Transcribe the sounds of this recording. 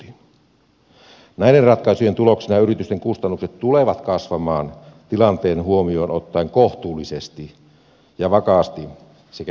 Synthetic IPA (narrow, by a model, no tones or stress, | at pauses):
in | næiderɑt̪kɑˑisujent̪uloksinɑjɑyɾit̪yst̪eŋkust̪ɑnːukset̪t̪uleʋɑt̪kɑsʋɑmɑːnt̪ilɑnt̪eːnhuomio̞ːnot̪ːɑiŋkoht̪uːlːisest̪i | jɑʋɑkɑːst̪i | sek